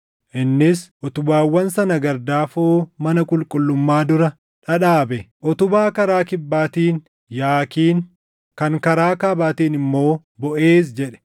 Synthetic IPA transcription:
ʔɪnːɪsʔɔt̪ʊbaːwːɐnsɐnɐɡɐɾd̪aːfoːmɐnɐkʼʊlkʼʊlːʊmːaːd̪ʊɾɐ | ᶑɐᶑaːbɛʔɔt̪ʊbaːkɐɾaːkɪbːaːt̪iːn | jaːkiːn | kɐŋkɐɾaːkaːbaːt̪iːnɪmːo̞ː | bɔʔeːs̬d͡ʒɛᶑɛ̥

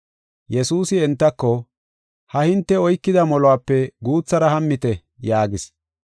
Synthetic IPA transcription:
jɛsuːsɪɛnt̪ːɐkːɔ | hɐhɪnt̪ːɛɔjkːɪd̪ɐmɔlɔwaːpːɛɡuːt͡sːɐɾɐhɐmːɪt̪ɛ | jaːɡɪs

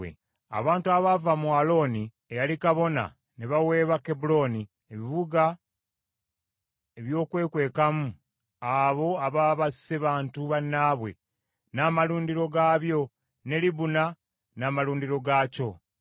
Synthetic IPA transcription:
ḛ | a̰βaːntuaβavamualo̞ni | ejalikaβo̞na̰ | neβawe̞ːβakebulo̞ni | eβiβuɡa | e̞βjo̞ːkwe̞ːkwe̞ːkamu | aβo̞aβaβasseβaːntuβanːaːβwe̞̰ | naːmaluːndiɾo̞ɡaːβjo̞ | ne̞liβuna | naːmaluːndiɾo̞ɡaco̞

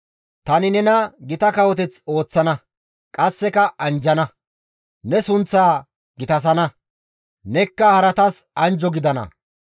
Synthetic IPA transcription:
t̪ɐnɪnɛnɐɡɪt̪ɐkɐwɔt̪̬ɛt͡so̞ːt͡sːɐnɐ | kʼɐsːɛkɐʔɐnd͡ʒɐnɐ | nɛsʊnt͡sːaː | ɡɪt̪ɐs̬ɐnɐ | nɛkːɐhɐɾɐt̪ɐsɐnd͡ʒɔɡɪd̪ɐnɐ̰

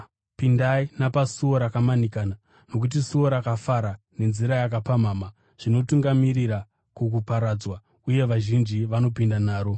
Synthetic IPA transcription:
pindainapasuo̞ɾakamanikaːna | no̞k̬ut̬isuoɾakafaɾa | ne̞nziɾajak̬apamaːma | ʐ̥ino̞tuŋɡamiriɾa | kuk̬upaɾad͡zwa | uje̞ʋaʒind͡ʒiʋano̞pindanaːɾo̞

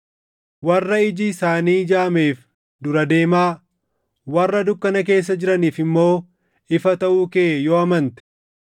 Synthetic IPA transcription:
wɐrːɐɪd͡ʒɪsaːniːd͡ʒaːme̞ːf | d̪ʊɾɐd̪e̞ːmaː | wɐrːɐd̪ʊkːɐnɐk̬e̞ːs̬ːɐd͡ʒɪɾɐniːfɪmːo̞ː | ɪfɐt̪ɐʔuːkeːjoːɐmɐnt̪ɛ̥

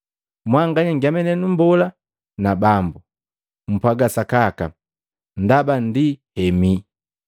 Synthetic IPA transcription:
mwaŋɡaɲaŋɡiamɛnɛnumbɔla | nabambu | m̩pwaɡasakaka | ndabandihɛmi

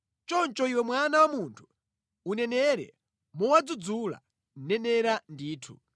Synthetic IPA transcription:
t͡ʃɔnt͡ʃɔiwɛmwanawamuntʰu̥ | unɛnɛɾɛ̰ | mɔwad͡zud͡zula̰ | nɛnɛɾandiːtʰṵ

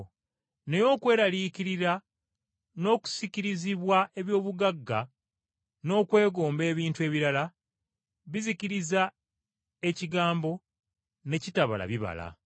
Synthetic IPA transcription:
nejo̞ːkwe̞ːɾaliːciɾiɾa | no̞ːku̥siciɾiziβwae̞βjo̞ːβuɡaɡːa | no̞ːkwe̞ːɡo̞ːmbe̞ːβiːntue̞ːβiɾala | βiziciɾiza | e̞ciɡaːmbo̞ | ne̞citaβa̰la̰βiβa̰la̰

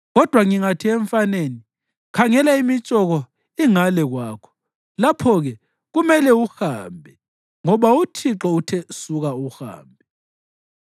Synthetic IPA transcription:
ɣɔd̥ʱwaŋiŋatʰiɛɱfaneni | kʰaŋɛlaimit͡ʃʼɔɣɔ | iŋalɛɣwaːkʰɔ̥ | lapʰɔɣɛ | ɣumɛlɛuxa̰ːmbʱɛ | ŋɔβautʰiǁɔutʰɛsuɣauxa̰ːmbʱɛ

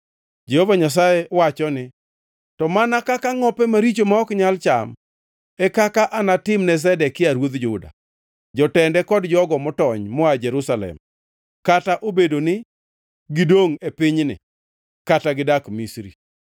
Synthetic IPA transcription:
d͡ʒehovaɲas̬ajɛwat͡ʃɔnɪ | tɔmanakakaŋɔpɛmaɾit͡ʃomaɔkɲalt͡ʃa̰m | ɛkakaʔanatɪmnɛs̬ɛdɛkːɪaɾwod̪d͡ʒʊda̰ | d͡ʒɔtɛndɛkɔdd͡ʒɔɡɔmɔtɔɲmɔad͡ʒɛɾusalɛ̰m | kataʔobedonɪ | ɡɪdoŋepɪɲnɪ̰ | kataɡɪdakmisɾḭ

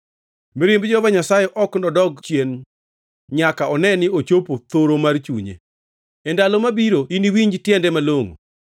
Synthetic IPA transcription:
miɾembd͡ʒɔbaɲasajeʔɔknɔdɔɡt͡ʃjen | ɲakaɔnɛnɪot͡ʃopot̪oɾomart͡ʃuɲḛ | ɛndalɔmabiɾoiniwiɲd͡ʒtjɛndɛmaloŋo̰

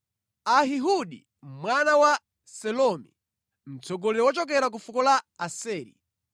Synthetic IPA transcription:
aɦiɦuɗi | mwanawa | sɛlɔmḭ | m̩t͡sʰɔɡɔlɛɛwɔt͡ʃɔk̬ɛɾak̬ufukɔlaasɛːɾḭ

